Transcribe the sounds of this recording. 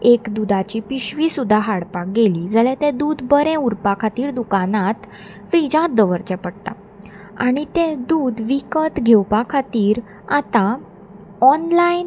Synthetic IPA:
ekd̪ud̪at͡ɕipiɕʋisud̪ʱːaɦaɽpak̚ɡeliːd͡zəlɛ̃t̪ẽd̪uːd̪bəɾɛ̃uɾpakʰat̪iːɾd̪ukanat̪ | fɾid͡ʑãt̪̚d̪əʋəɾt͡ɕɛpəɽt̪a̰ | a̰ɽ̃it̪ẽd̪uːd̪ʋikət̪ɡʱewpakʰat̪iːɾ | at̪ã | ɔnlain

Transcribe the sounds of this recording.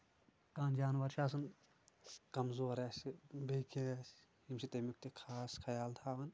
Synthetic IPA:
kaːnd͡ʒaːnʋɐɾʃʰaːs̬ɐn | kɐmzoːɾaːsbekʰes | himsit̪emuk̚t̪ikʰaːskʰɐjaːlt̪ʰaːʋɐn

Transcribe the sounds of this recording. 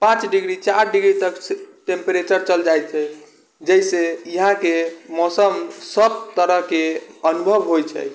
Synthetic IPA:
pãt͡ʃɖiɡɾit͡ʃaɾɖiɡɾit̪əksʈẽmpeɾet͡ʃəɾt͡ʃəld͡ʒajt̪t͡ʃʰɛ | d͡ʒəjseiɦãkemɔsəmsəb̚t̪əɾəɦkeənubʱəbɦojt͡ʃʰɛ̰

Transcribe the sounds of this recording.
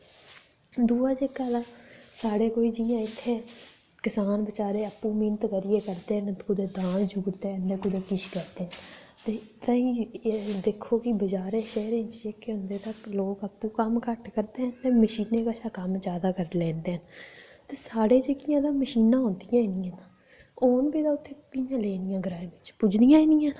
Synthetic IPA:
d̪uːaːd͡ʒeːkaːd̪aːsaːɽeːkoːiːd͡ʒijãːɪt̪ʰːeː | kɪsaːnbət͡ʃaːɾeːəpːuːmiːnt̪kəɾɪjeːkəɾd̪eːɦənt̪ʊd̪eːd̪ãːnd͡ʒuːɾt̪eːənd̪eːkʊd̪eːkɪʃkəɾd̪eːn | t̪eːt̪aĩːd̪eːkʰːoːkɪbəd͡ʒaːɾeːʃɛːɾẽnt͡ʃekːeɦʊ̃nd̪eːt̪əkloːkəpːuːkəmkəʈkəɾd̪eːɦənt̪eːməʃiːneːkaːsaːkəmt͡ʃaːd̪aːkəɾlɛ̃ːnd̪eːɦənt̪eːsaːɽeːd͡ʒeːkɪjãːd̪aːməʃiːnãːɦõːnd̪ɪjãːiːniːãːna | oːnbiːd̪aːʊt̪ʰːeːkɪjãːleːnɪjãːɡəɾaːeːbɪt͡ʃpʊd͡ʒnijãːiːnijãːn

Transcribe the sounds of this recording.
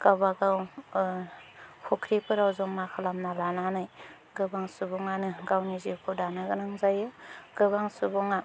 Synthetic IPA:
ɡ̥awbaɡaw | hʰukʰɾipʰɯɾawzɔŋmakʰalamnalananaj | ɡɯbaŋsubɔŋanɯɡawnizikʰɔdanaɡɯnɯŋzajɯɡ̥ɯbaŋsubɔŋa

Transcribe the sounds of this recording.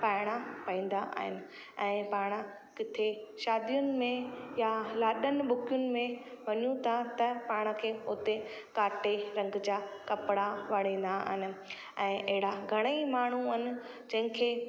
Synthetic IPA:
paːɪɽ̃apɐĩːn̆d̪aʔa̰ːɦɪnɪ̆ | ɛ̃ːpaːɽ̃ə̆ | kɪt̪ʰeʃaːd̪ijʊnɪ̆mẽjalaːɗənɪ̆ɓʊkʰjʊnɪ̆mẽ | ʋɐɲũt̪ʰat̪ɐpaːɽ̃̆kʰeːʊt̪e | kaːʈeɾɐ̃ŋɡd͡ʑaːkɐpɽaʋɐɽ̤ẽːn̆d̪aɦɪnɪ̆ | ɛ̃ːʔɐɦɪɽaɡʱɐɽ̃əimaːɳ̤uɐnɪ̆ | d͡ʑɐ̃ɦɪ̃kʰeː

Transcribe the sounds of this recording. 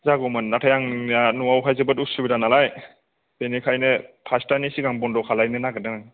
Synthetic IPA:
zaɡɔmɯnːatʰajaŋanuwawkʰajzɯbɯtusubidanalaj | benikʰajnɯpʰastanisiɡaŋbɔndɔkʰalajnɯnaɡɯdɯŋaŋ

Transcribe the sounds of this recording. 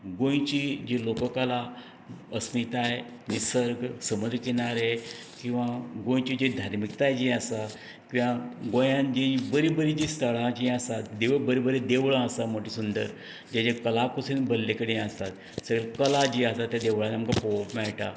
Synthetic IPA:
ɡõjt͡ɕid͡ʑelokəkala | əsmit̪ae | nisəɾɡʱsəməd̪ɾəkenaɾe | kĩw̃ʋaɡõjt͡ɕid͡ʑid̪ʱaɾmikt̪ajd͡ʑiasa | kĩʋãɡojãnd͡ʑibəɾibəɾid͡ʑist̪ʰəɭad͡ʑiasat̪d̪eʋbəɾibəɾed̪eʋɭãəsamoʈisund̪ə̰ɾ | d͡ʑad͡ʑekəlakusinbəlːekəɽiast̪at̪ | səɡɭekəlad͡ʑiast̪at̪ːjad̪eʋɭãnamkapopmɛɭʈa

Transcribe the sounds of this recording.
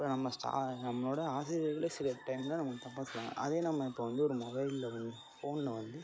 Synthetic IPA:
ɪpːonɐmːɐsʈa̰ːnɐmːɐɭoːɽɐaːsɪɾɐɣɐɭesɪɾɐʈɐɪmlãnɐmːɐt̪ɐpːat̪ːɽã̰ŋɐ̰ʔɐðeːnɐmːɐɪpːoːʋɐnd̪ɯɔɾɯmɔbɐɪlɪlɐʋɐnd̪ɯfoːnlɐʋɐnd̪ɯ

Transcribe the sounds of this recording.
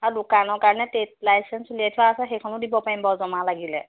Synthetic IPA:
aɹudʊkanɔɹkaɹɔnɛtet̚lajsɛnsuliɛtʰuaːsɛxejkʰɔnʊdibɔpaɹimbɔzɔmalaɡilɛ̰

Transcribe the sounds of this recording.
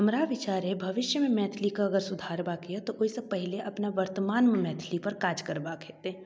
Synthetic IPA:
ɦɐmɾaʋɪt͡ʃaːɾebʱɐʋɪʃjəmẽmɛːt̪ʰlikaɐɡəɾsʊd̪ʱaːɾbaːkijat̪oʔoisepɛɦɪleʔɐpnaʋɐɾt̪əmaːnmẽmɛːt̪ʰlipɐɾkaːd͡ʒkɐɾbaːkʰeːt̪e

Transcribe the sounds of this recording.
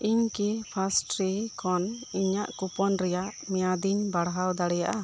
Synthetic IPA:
iɲkipʰasʈɾikɔniɲaʔkupɔnɾɛjaʔmɛjad̪iɲbaɽɦawd̪aɽɛjaʔa

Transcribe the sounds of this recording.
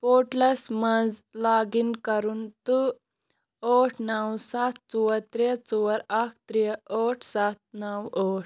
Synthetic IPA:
poʈləsməd͡zlaɡinkəɾuːnt̪u | ɔʈʰnawsat̪̚ʰt͡suwəɾt̪ɾet͡suəɾakʰt̪ɾiɔʈʰsat̪̚nəwɔʈ̚ʰ

